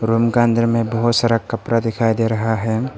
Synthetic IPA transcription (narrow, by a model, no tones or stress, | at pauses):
ɾumkãnd̪ɾəmẽbɐɦʊt̪sɐɾəkɐpɾad̪ɪkʰajd̪eɾɐɦaɦɛ